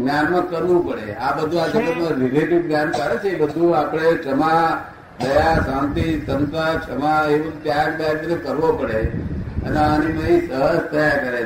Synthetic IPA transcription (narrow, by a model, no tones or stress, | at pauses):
ɡnjanmãkəɾʋũpəɽeabəd̪ʱuad͡ʒəɡəmãɾileʈiʋɡnjankəɾet͡ʃʰeebəd̪ʱũapəɽ̃et͡ʃəma | d̪əjasãmt̪isənt̪ɾat͡ʃʰəmaeʋəmt̪jaakb̪əjakəɾekəɾʋopəɽeəneaninəɦĩsəɦəst̪ʰəjakəɾe